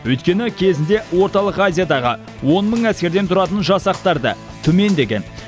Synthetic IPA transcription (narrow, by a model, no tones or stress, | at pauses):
wɵjt̪̚kʲe̞nɪkʲʰe̞zɪnd̪e̞wo̞ɾt̪ɑlˠəqazʲijad̪ɑʁə | wo̞nməɴæskʲe̞ɾd̪e̞nt̪ʰʊɾɑt̪ənʒɑsɑqt̪ɑɾd̪ə̰ | t̪ʰʏme̞nd̪e̞ɡʲe̞n